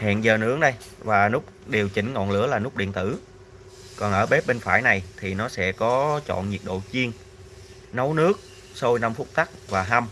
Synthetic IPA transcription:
hɛ̰ː˧˨nzəː˨˩nɨ̰˧˥əŋɗə˧jvaː˨˩nʊ˦˥k͡p̚ɗe˨˩əwt͡ɕï˨˦ŋ̟ŋɔ̰˧˨nlɨ̰˧˥əlaː˨˩nʊ˦˥k͡p̚ɗḭ˧˨ənt̪ɨ˧˩ | kɔ˨˩nʔəː˧˩ɓe˦˥p̚ɓe˧nfaː˧˩jna˨˩jt̪ʰi˨˩nɔ˨˦sɛ̰˧˥kɔ˨˦t͡ɕɔ̰˧˨nɲi˨˩ək̚ɗo̰˧˨t͡ɕi˧əŋ | nə˨˦wnɨ˦˥ək̚ | so˧jna˧mfʊ˦˥k͡p̚t̪a˦˥k̚vaː˨˩ɦa˧m

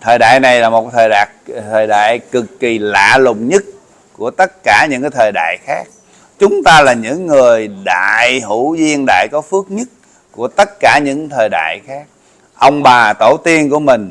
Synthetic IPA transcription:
t̪ʰəː˨˩jɗa̰ː˧˨jna˨˩jlaː˨˩mo˨˩t̚t̪ʰəː˨˩jɗaː˨˩ | t̪ʰəː˨˩jɗa̰ː˧˨jkɨ˨˩kːi˨˩la̰ː˧˨lʊ̰˧˨ŋ͡mɲə˦˥t̚ | ku˧˩ət̪ə˦˥t̚kaː˧˩ɲɨ̰˧˥ŋkaː˨˦jt̪ʰəː˨˩jɗa̰ː˧˨jxaː˦˥k̚ | t͡ɕʊ˨˦ŋ͡mt̪aː˧laː˨˩ɲɨ̰˧˥ŋːɨ˨˩əjɗa̰ː˧˨jɦu˧˥zi˧ənɗa̰ː˧˨jkɔ˨˦fɨ˦˥ək̚ɲə˦˥t̚ | ku˧˩ət̪ə˦˥t̚kaː˧˩ɲɨ̰˧˥ŋt̪ʰəː˨˩jɗa̰ː˧˨jxaː˦˥k̚ | ʔə˧wŋ͡mɓaː˨˩t̪o˧˩t̪i˧ənku˧˩əmï˨˩ŋ̟

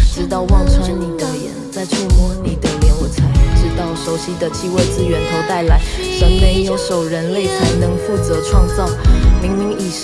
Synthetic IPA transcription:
ʈ͡ʂɻ̩˧˥t̪ɑ˥˧ʊwɑ˥˧ŋt͡sʰwa˥nni˨˩t̪ə˨˩jɛ̰˧˥nt͡sa˥˧ɪt͡sʰwe˥˧mwɔ˥˩ni˧˥t̪ə˨˩ljɛ˧˥nwɔ˧˩t͡sʰa˧˥ɪʈ͡ʂɻ̩˧˥t̪ɑ˥˩ʊʂo˧˥ʊɕi˥d̪ə˨t͡ɕʰi˥we˥˧t͡s̩˥˩ɥɛ˧˥nt̪ʰo˧˥ʊt̪a˥˩ɪla˧˥ɪ | ʂə˧˥ŋme˧˥ɪjo˧˥ʊʂo˨˩ʊɻə˧˥nle˥˩ɪkʰə˧˥ɪnɤ˧˥ŋfu˥˩t͡sɤ˧˥ʈ͡ʂʰwɑ˥˧ŋt͡sɑ˥˩ʊmi˧˥ŋmi˧˥ŋi˧˨˩

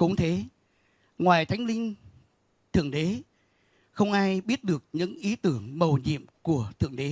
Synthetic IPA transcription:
kʊ̰˧˥ŋ͡mt̪ʰe˨˦ | ŋwaː˨˩jt̪ʰa˨˦jŋ̟lï˧ŋ̟ | t̪ʰɨ̰˧˩əŋɗe˨˦ | xə˧wŋ͡mʔaː˧jɓi˦˥ət̚ɗɨ˨˩ək̚ɲɨ̰˧˥ŋʔi˨˦t̪ɨ˧˩əŋmə˨˩wɲḭ˧˨əmku˧˩ət̪ʰɨ̰˧˩əŋɗe˨˦

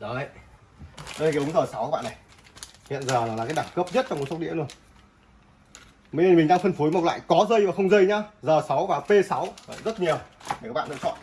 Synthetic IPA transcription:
ɗo˨˦˨ | o˨˧˨ʊ˨˦ŋ͡mzəː˨˩sa˨˦wa˧˦ɓaː˧˨na˨˩j | hḭ˧˨ənzəː˨˩laː˨˩aː˨˩kaː˨˦jɗa˨˩ŋkə˦˥p̚zə˦˥t̚t͡ɕɔ˧ŋ͡mkst̚ɗḭ˧˥zu˧˩ən | mə˨˦jne˧˩nmï˨˩ŋɗaː˧ŋfə˧nfu˨˦jma˨˩t̚la̰ː˧˨jkɔ˨˦zə˧jvaː˨˩xə˧wŋ͡mzə˧jɲaː˧zəː˨˩sa˨˦wvaː˨˩pe˧sa˨˦wə˨jzə˦˥t̚ɲi˨˩əw | a˨˩kaː˦˥ɓ̰a̰ː˧˨˧t͡ɕɔ̰˧˨n

